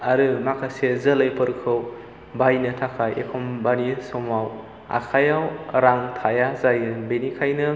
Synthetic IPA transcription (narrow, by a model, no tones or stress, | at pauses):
aɾɯmakʰajsezɐlɐjpɯɾkʰɯw | bajnɐtʰakʰajḛkʰɔmbanisomaw | a̰kʰajawɾaŋtʰajazajɯbenikʰajnɯ